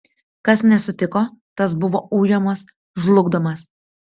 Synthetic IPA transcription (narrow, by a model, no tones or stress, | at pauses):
kɐsnʲɛsʊt̪ʲɪkoːt̪ɐs̬bʊʋoːuːjomɐs | ʒlˠʊɡd̪omɐs